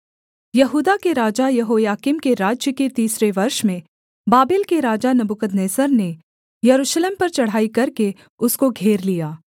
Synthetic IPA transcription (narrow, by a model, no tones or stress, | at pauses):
jɐɦuːd̪akeɾaːd͡ʒajɐɦoːjaːkɪmkeɾaːd͡ʒjəket̪iːsɾeʋɐɾʃmẽ | baːbɪlkeɾaːd͡ʒanɐbʊkəd̪neːsəɾne | jɐɾuːʃleːmpɐɾt͡ʃɐɽ̤aːikɐɾke | ʊskoɡʱeːɾlijaː